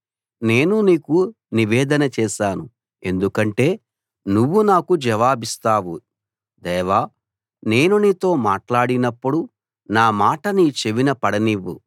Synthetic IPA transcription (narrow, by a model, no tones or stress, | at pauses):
ne̞ːnuniːku | niʋɛːd̪ɐnɐt͡ʃɛːʃaːnu | e̞nd̪ukɐɳʈe̞ː | nuʋːunaːkud͡ʒɐʋaːbist̪aːʋu | d̪ɛːʋaː | ne̞ːnunit̪o̞ːmaːʈlaːɽinɐpːuɽu | naːmaːʈɐnit͡ʃeʋinɐpɐɽɐniʋːṵ